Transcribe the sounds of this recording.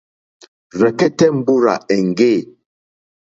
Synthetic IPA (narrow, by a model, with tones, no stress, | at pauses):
ɾɛ˨kɛ˦tɛ˦m̩˦bu˦ɾa̰˨ɛ˨ŋ˨ɡeː˦˨